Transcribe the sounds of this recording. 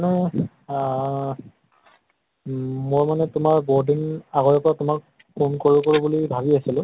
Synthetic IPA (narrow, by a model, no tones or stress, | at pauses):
nɛ | mojmanɛtʊmaɹbodinaɣɔɹɛpɔɹatʊmak̚ | pʰonkoɹikoɹubulibʱabiasilʊ̃